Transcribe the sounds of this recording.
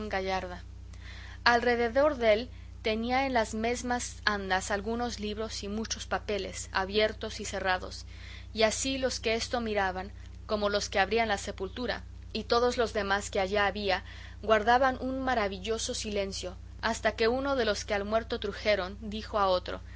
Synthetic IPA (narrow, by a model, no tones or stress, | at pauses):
ŋɡaʝaɾða | alre̞ðe̞ðo̞ɾðe̞l | t̪e̞niae̞nlazme̞zmasand̪asalɣuno̞zliβɾo̞simut͡ʃo̞spape̞lḛsa̰βje̞ɾt̪o̞sise̞raðo̞̰s | iasilo̞ske̞e̞st̪o̞miɾaβaŋ | ko̞mo̞lo̞ske̞aβɾianlase̞pult̪uɾa̰ | it̪o̞ðo̞zlo̞zðe̞maske̞aʝaːβia | ɣwaɾðaβanʔunmaɾaβiʝo̞so̞sile̞nsjo̞ | ast̪ake̞uno̞ðe̞lo̞skealmwe̞ɾt̪o̞t̪ɾuxe̞ɾo̞nd̪ixo̞ao̞t̪ɾo̞̰